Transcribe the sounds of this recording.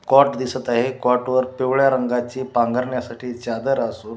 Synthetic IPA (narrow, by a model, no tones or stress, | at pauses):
kɔʈd̪isət̪aɦekɔʈʋəɾpeʋɭjaɾəŋɡat͡ɕiːpãŋɡəɾɳjasaʈʰiːt͡ɕad̪əɾasuːn